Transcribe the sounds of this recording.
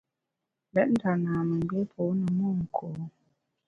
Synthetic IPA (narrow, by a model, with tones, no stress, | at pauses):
lɛ˦ʔ̚n̩˦ta˨naː˨mə˨m˨be˦pʰo˨˦nə˨mo˦˨ŋ̩˨kʰo˨˦